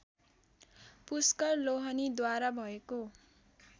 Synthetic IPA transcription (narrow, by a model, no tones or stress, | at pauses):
puskʌrloɦʌnid̪waɾabʱʌeko